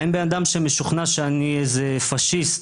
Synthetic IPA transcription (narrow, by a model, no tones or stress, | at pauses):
enbenad̪amʃeme̞ʃuχnaʃeanieze | faʃist̪